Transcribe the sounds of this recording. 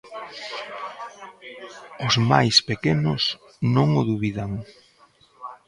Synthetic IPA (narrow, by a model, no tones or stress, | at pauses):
ʊzmajspekenʊs | nõŋʊðuβiðaŋ